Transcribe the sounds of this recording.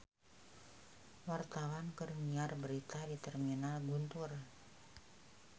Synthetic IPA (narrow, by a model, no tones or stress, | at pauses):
wart̪awankɨrniarbəɾit̪adit̪ɛrminalɡunt̪ur